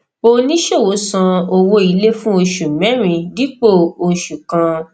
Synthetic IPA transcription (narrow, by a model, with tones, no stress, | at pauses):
o˦˧nĩ˦ʃo˦˨wo˨˦sã˧o˧wo˧i˧le˦fũ˦o˧ʃu˨mɛ̃˨˦ɾ̃ĩ˧di˨˦k͡po˦˨o˧ʃu˨kã˧